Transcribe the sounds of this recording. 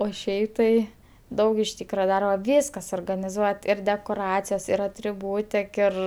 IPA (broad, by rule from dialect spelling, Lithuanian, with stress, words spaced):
oː ˈʃʲɛɪ tɐɪ ˈdɐʊk ɪʃ ˈtʲiːkrɐ ˈdɐrbɐ ˈʋʲiːskɐ suɔrɡɐnʲɪˈzuɔtʲ ɪr dʲɛkoːˈrɑːt͡sʲɪjoːs ɪr ɐtʲrʲɪˈbuːtʲɪk ˈɪr